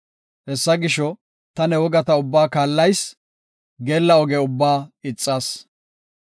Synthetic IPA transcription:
hɛsːɐɡɪʃɔ | t̪ɐnɛwɔɡɐt̪ɐʊbːaːkaːlːɐjs | ɡeːlːɐɔɡɛʊbːaːɪt͡sʼːɐːs

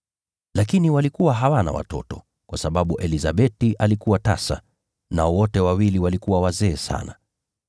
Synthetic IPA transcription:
lakiniwalikuwaɦawana̰wa̰tɔ̰tɔ | kwasaɓaɓuʔɛlizaɓɛtiʔalikuwata̰sa̰ | naɔwɔtɛwawiliwalikuwawazɛːsa̰na

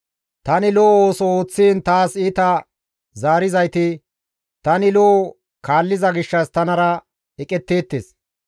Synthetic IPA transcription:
t̪ɐnɪloːoːsɔo̞ːt͡sːiːnt̪aːsit̪ɐ | zaːɾɪzɐjt̪ɪ | t̪ɐnɪlo | kaːlːɪzɐɡɪʃːɐst̪ɐnɐɾɐ | ɛkʼɛt̪ːe̞ːt̪ːes

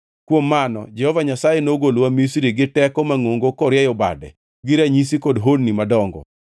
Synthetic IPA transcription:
kwomːanɔ̰d͡ʒɛhɔvaɲasajenoɡolwamisɾiɡɪtɛkɔmaŋoŋɡokɔɾjɛjɔba̰dɛ̰ | ɡɪɾaɲis̬ikɔdɦonnimadɔŋɡɔ̰

